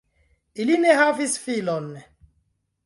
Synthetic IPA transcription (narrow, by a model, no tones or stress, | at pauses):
ilinɛɦavisfilɔnːɛ